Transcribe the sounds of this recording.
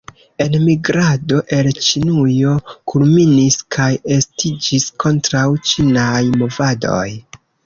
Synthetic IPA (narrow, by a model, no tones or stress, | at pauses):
e̞nmiɡɾado̞ʔe̞lt͡ʃinujo̞kʰulminiskʰaje̞stid͡ʒiskʰo̞ntɾawt͡ʃinajmo̞vado̞̰j